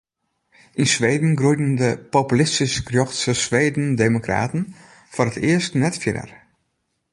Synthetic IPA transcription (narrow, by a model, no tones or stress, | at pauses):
ʔinsʋeːdn̩ɡrujdən̩dəpopylɪstiskrjoxtsəsʋeːdn̩deːmokra̰ːtn̩ | foɾətɪəstnɛtfjɪɾə̰r